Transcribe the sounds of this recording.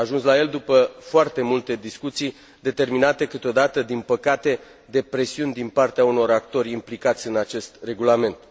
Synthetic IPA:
ʒunslaje̞ld̪upəfoart̪e̞mult̪e̞d̪iskut̪sij | d̪e̞t̪e̞rminat̪e̞kɨt̪o̞d̪at̪əd̪inpəkat̪e̞ | d̪e̞pɾe̞siunʲd̪inpart̪eauno̞ɾakt̪o̞rʲimplikat̪sʲɨnat͡ʃe̞st̪re̞ɡulame̞nt̪

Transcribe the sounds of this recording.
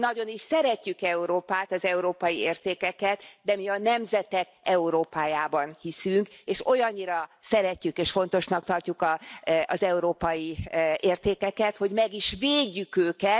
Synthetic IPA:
nɒɟo̞niʃsɛɾɛcːykɛuɾoːpaːt̪ɒzɛuɾoːpɒjieːrt̪eːkɛkɛt̪d̪ɛmiɒnɛmzɛt̪ɛk | ɛuɾoːpaːjaːbɒnhisyŋkeːʃo̞jɒɲːiɾɒsɛɾɛcːykeːʃfo̞n̪t̪o̞ʃnɒk̚t̪ɒrcukɒɒ̰zɛuɾoːpɒjieːrt̪eːkɛkɛt̪ho̞ɟmɛɡiʃveːɟːykøːkɛt̪

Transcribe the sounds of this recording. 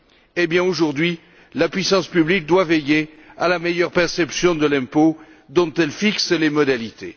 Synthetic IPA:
ebjɛ̃oʒuʁd̪ɥi | lapɥisɑ̃spyblik̚d̪wavɛje | alamejœʁpɛʁsɛpsjɔ̃d̪əlɛ̃po | d̪ɔ̃t̪ɛlfikslemɔd̪alit̪ḛ

